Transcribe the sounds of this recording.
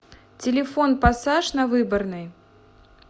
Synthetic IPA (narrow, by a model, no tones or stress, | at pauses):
t͡sʲɪlʲɛfɔnpasaʂnɐvɨbɐrnɨj